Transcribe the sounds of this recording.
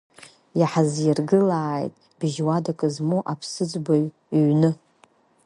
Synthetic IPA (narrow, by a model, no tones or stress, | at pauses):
jaħazjɪrɡɨlaːjtʼ | b̥ɪʒwadakʼɨzmuʔapʰsɨd͡zba | ɥnɨ